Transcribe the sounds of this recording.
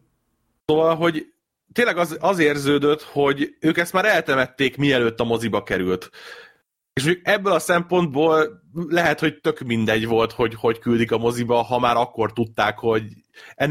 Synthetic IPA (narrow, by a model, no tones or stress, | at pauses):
sovɒlɦo̞ɟ | t̪eːnlɛɡɒzɒzeːrzøːd̪øt̪ho̞ɟøːkɛst̪maːɾɛlt̪ɛmɛt̪ːeːkmiɛløːt̪ːɒmo̞zibɒkɛɾylt̪ | eːʃucukɛbːølɒsɛmpo̞nd̪̚boːlːlɛɦɛt̪ho̞ct̪økmind̪ɛɟʋo̞lt̪ho̞ɟho̞ckyld̪ikɒmo̞zibɒɦɒmaːɾɒkːo̞rt̪ut̪ːaːkho̞ɟ | ɛn